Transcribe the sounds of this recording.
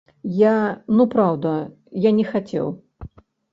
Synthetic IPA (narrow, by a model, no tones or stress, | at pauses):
janupɾawd̪ɐ | janʲɛxat͡sʲɛ̰w